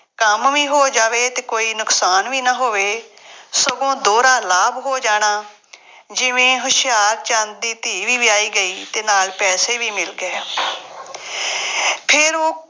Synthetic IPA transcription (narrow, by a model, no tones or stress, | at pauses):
kəmʋiːɦoːd͡ʒaːʋeːt̪eːkoːiːnʊksaːnʋiːnaɦoːʋeːsəɡõːd̪oːɾãːlaːbɦoːd͡ʒaːɽ̃aː | d͡ʒɪʋẽːɦʊʃɪjaːɾ̚t͡ʃãːnd̪iːt̪iːʋiːʋɪaːiːɡəiːt̪eːnaːlpɛːseːʋiːmɪlɡɛː | pʰɪɾoː